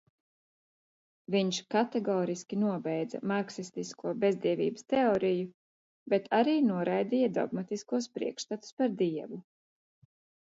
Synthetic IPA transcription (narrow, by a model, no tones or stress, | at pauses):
viɲʃkat̪ɛɡɔːɾiskʲinuɔbɛjd̪za̰maɾksist̪iskuɔbezd̪iɛvʲḭːbəst̪eɔːɾiju | bet̪ʰaɾiːnuɔɾajd̪ijad̪ɔ̰ɡmat̪iskuɔspɾḭɛkʃt̪at̪u̥spaɾd̪iɛvu